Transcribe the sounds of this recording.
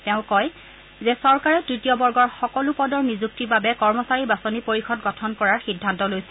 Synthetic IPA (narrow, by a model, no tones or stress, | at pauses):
tɛʊ̃kɔj | zɛsɔɹkaɹɛtɹitiɔbɔɹɡɔɹxɔkɔlupɔdɔɹmizuk̚tibabɛkɔɹmɔsaɹibasonipoɹixɔtɡɔtʰɔnkɔɹaɹxidʱːantɔlojsɛ̥